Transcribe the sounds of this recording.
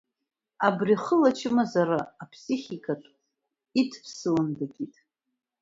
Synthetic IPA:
abriχəlat͡ʃʰɨmazaɾaːpʰsiχʲikʰʼatʼ | itʰpʰsɨlɨndaɡʲitʼ

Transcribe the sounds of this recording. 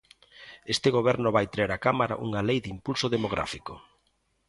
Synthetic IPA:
est̪ɪɣoβ̞ɛɾnʊβajt̪ɾeɾakamaɾa̰ʔuŋalejðimpulsoðemoɣ̞ɾa̰fiko

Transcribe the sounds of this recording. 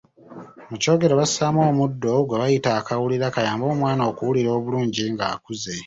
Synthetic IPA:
muco̞ːɡe̞ɾoβasaːmo̞ːmudːo̞ɡweβajitaːkawuliɾakajaːmbo̞ːmwaːnaoːkuwuliɾo̞ːβuluːɲɟiŋɡaːkuze̞

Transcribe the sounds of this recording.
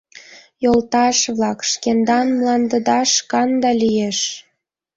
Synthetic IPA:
jolt̪ɑʃβlɑkʃkend̪ɑnmlɑnd̪ə̆d̪ɑʃkɑnd̪ɑlʲijeʃ

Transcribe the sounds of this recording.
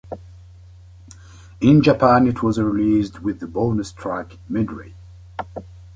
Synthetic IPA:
ɪ̃nd͡ʒəpʰæ̃nɪtʰwʌzɹilisdwɪðəbolˠnɨstʰɹ̥æk | mɪdɹḛ̥

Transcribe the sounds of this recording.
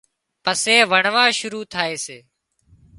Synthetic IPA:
pəseːʋəɳʋãːʃʊɾuːt̪ʰaːeːseː

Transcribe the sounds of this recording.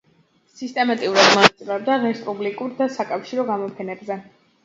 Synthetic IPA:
sist̪ʼɛmat̪ʼiuɾad̪mɔnat̪sʼilɛb̚d̪aɾɛspʼublikʼuɾd̪asakʼafʃiɾɔɡamɔpʰɛnɛbzɛ

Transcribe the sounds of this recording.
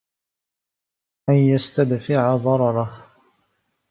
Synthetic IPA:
ʔanjast̪ad̪fɪʕaðˤɑɾˤɑɾˤɑh

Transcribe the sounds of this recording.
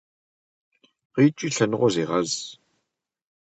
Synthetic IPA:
ʁiːt͡ʃʼiːɬɐnɨʁʷɔzeːʁɐz

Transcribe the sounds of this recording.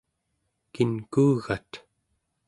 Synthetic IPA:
kinkuːɣat̪

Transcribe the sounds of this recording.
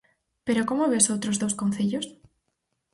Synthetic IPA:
peɾokomoβesowt̪ɾozðowskon̟θeʎos

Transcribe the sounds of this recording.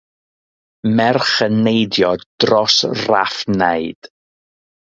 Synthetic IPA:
mɛrχənejdjɔdd̥rɔsra̰fnaɨd̥

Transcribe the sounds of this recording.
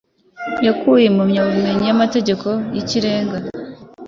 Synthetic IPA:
jakuːjemumɲaβuume̞ɲijamate̞ɟe̞ko̞jiciɾe̞ːŋɡa

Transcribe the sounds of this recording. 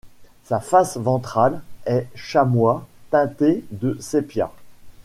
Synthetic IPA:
safasvɑ̃t̪χalɛʃamwat̪ɛ̃t̪ed̪əsepja̰

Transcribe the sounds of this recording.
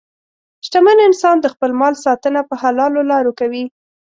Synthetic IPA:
ʃʈ̪amanɪnsɑnd̪əxpəlmɑlsɑt̪ənapəhalɑlolɑɾokawi

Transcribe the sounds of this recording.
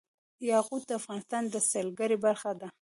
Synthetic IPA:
jɑɣud̪̚d̪əafɣɑnɪst̪ɑnd̪əsalɡaɾebaɾxad̪a

